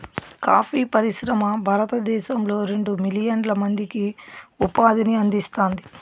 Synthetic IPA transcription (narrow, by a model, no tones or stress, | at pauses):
kaːpʰiːpɐɾiʃɾɐmɐbʱaːɾɐt̪ɐd̪ɛːʃɐmlo̞ːɾe̞ɳɖumilijɐnlɐmɐnd̪ikiupaːd̪iniɐnd̪ist̪oːnd̪i